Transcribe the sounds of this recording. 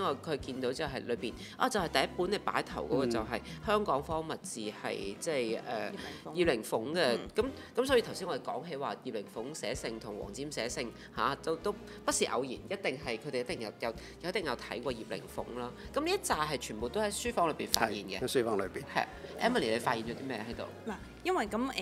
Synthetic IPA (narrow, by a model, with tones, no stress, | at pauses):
ŋɔː˨˧kʰɵ˨˧kiː˧nt̪o˨˥wt͡sɐ˨˧wɦɐ˨jlɵ˨˧ɥpiː˨˩n | ʔa̰ː˨˧t͡sɐ˨whɐ˨˩jt̪ɐ˨jɐ˥puː˨˥ne˨˧jpaː˨˥jt̪ʰɐ˨˩wkɔː˨˥kɔ˧t͡sɐ˨wɦɐ˨jhœː˥ŋkɔː˨˥ŋfɔː˥ŋmɐ˨t̚t͡siː˨hɐ̰˨jt͡sɛː˥˩jʔɛ̰ː˨˩jiː˨p̚lɪ˨˩ŋfʊ˨˥ŋkɛ˧kɐ˨˥mkɐ˨˧msɔ˨˥ji˧tʰɐ˨˩wsi˥ŋɔ˧e˨˩kɔ̰ː˨˥ŋɦe˨˧˥jwaː˨jiː˨p̚lɪ˨˩ŋfʊ˨˥ŋsɛː˨˥sɪ˧ŋt̪ʰʊ˨˩ŋwɔ̰ː˨˩ŋt͡siː˨˥msɛː˨˧˥sɪ˨˧ŋ | haː˨˥t̪o˥˧wt̪o˥w | pɐ˥t̚siː˨ʔɐ̰˨˧wjiː˨˩njɐ˥t̚t̪ɪ˨ŋɦɐ˨jkʰɵ˨˧t̪e˨jɐ˦t̪ɪ˨˩ŋjɐ˨˧wjɐ˨˧wjt̪ɪ˨˩ŋjɐ˨˧wt̪ʰɐ̰˨˥jkʷɔː˧jiː˨p̚lɪ̰˨˩ŋfʊ̰˨˥ŋlaː˥kɐ˨˦mliː˥jɐ˥t͡saː˧ɦɐ˨˩jt͡ʃʰyː˨˩npo˨wt̪o˥hɐ˨˦jsyː˥fɔː˨˥ŋlɵ˨˧ɥpiː˨nfa̰ː˧˨jiː˨˩nkɛ̰˧˨˦syː˥fɔː˨˥ŋlɵ˨˧pi˨˩nhɐ̰˨jʔɛ̰˥m˨nli˨˩le˨˧fa˧t̚jiː˨nt͡ʃɔː˨˧˥t̪i˥mɛː˥˨hɐ˨˦jt̪o̰˨˩wla˨ | jɐ˥nwɐ˨jkɐ˨˥m